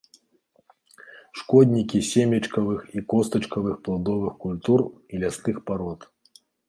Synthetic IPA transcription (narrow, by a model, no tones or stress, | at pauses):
ʂkɔd̪ʲnʲikʲisʲemʲɐt͡ʂkɐvɨxikɔst̪ɐt͡ʂkɐvɨxplˠad̪ɔvɨxkulʲt̪urilʲast̪ɨxpaɾɔt̪